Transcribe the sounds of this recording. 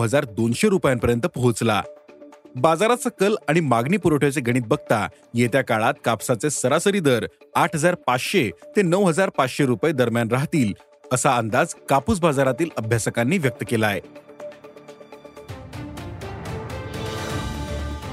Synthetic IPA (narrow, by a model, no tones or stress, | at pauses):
ɦəd͡zaɾd̪onɕeɾupjampəɾjənt̪əpɦut͡sla̰ | bad͡zaɾat͡sakəlaɽ̃imaɡniːpuɾəʈʰot͡seɡʱəɽ̃iːt̪̚bəɡ̚t̪a̰ | jet̪jakaɭat̪̚kapsat͡sesəɾasəɾid̪əɾaʈʰɦəd͡zaɾpat͡sɕet̪enəʋɦəd͡zaɾpat͡sɕeɾupaed̪əɾmjanɾaɦt̪iːl | əsaənd̪ad͡zkapuːsbad͡zaɾat̪iːləbʱjasəkanːiːʋjək̚t̪əkelae